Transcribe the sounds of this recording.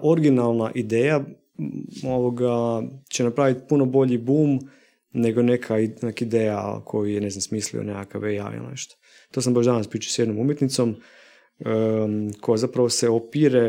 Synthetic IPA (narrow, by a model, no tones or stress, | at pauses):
ʔo̞ɾɡinalˠnaʔid̪eːja | oʋoɡat͡ɕenapɾaːʋit̪puno̞bo̞ʎibuːm | ne̞ɡo̞ne̞kʰanakid̪eːja̰kʰo̞jujene̞znamsmiːslḭo̰nekakaʋeja̰ḭlnḛʃt̪o̥ | t̪o̞ːs̬ambaʒd̪anaspɾiːt͡ʃi̥sjed̪no̞mumjet̪nit̪so̞m | kʰo̞jazapɾaʋoseopiːɾe